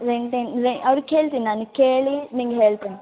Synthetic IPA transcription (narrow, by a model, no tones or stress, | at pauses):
ɾeɳʈenɾeɐʋɾkeːɭt̪inaːnukeːɭiniːŋɡeɦeːɭt̪ɐn